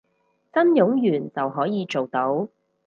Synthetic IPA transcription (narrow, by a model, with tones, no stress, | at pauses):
t͡sɐ˥njʊ˨˥ŋjyː˨˩nt͡sɐ˨wɦɔː˨˥jiː˨˧t͡ʃo˨wt̪o˨˥w